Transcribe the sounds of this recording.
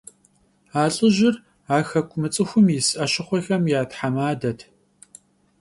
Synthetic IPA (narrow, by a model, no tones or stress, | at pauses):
aːɬʼɨʒɪr | aːxɐkʷʰʼʊmɨt͡sʼɨxʷʊmjɪsʔɐɕɪχʷɔxɐmjaːtħamaːdɐtʰ